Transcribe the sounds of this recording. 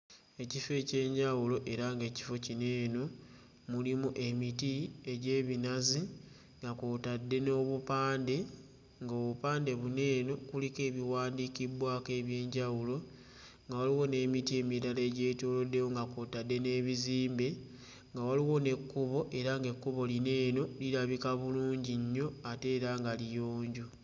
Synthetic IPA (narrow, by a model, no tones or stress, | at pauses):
e̞cife̞ce̞ːɲɟawulo̞ʔe̞ɾaŋɡe̞ːci̥fo̞cine̞ːno̞ | mulimuʔe̞mitie̞ɟe̞ːβinazi | ŋɡakuːtadːe̞no̞βupaːnde̞ | ŋɡoːβupaːnde̞βune̞ːno̞kulike̞ːβiwaːndikibwaːke̞βje̞ːɲɟawulo̞ | ŋɡawaliwo̞ne̞ːmitie̞ːmilale̞ːɟe̞ːtoːlo̞dːe̞wo̞ŋɡakoːtadːe̞ne̞ːβiziːmbe̞ | ŋɡawaliwo̞ne̞kːuβo̞ʔe̞ɾaŋɡe̞kːuβo̞line̞ːno̞liɾaβikaβuluːɲɟiɲːo̞ate̞ːɾaŋɡalijoːɲɟu